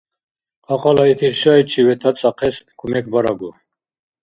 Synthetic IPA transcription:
aqʼɑlait̪ʰisʃait͡ʃʰivɛt̪ʰat͡sʼaqʰɛskʰʼumɛkʰbaɾaɡu

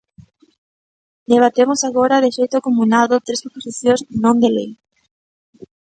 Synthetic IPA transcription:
d̪eβ̞at̪emosaɣoɾaðɪʃejt̪ʊakomulaðot̪ɾesɾoposiθjõznõnd̪elḛj

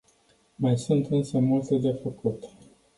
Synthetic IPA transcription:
majsunt̪ɨnsəmult̪ed̪e̞fəkut̪

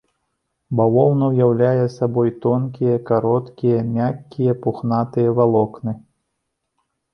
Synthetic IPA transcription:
bawɔwnɐwjawlʲajɛsabɔjt̪ɔnkʲijɐkaɾɔt̪kʲijɐmʲakʲːijɐpuxnat̪ɨjɐvalˠɔknɨ

